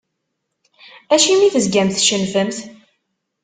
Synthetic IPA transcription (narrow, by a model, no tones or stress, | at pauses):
æʃimiθəzɡæmθʃənfəmθ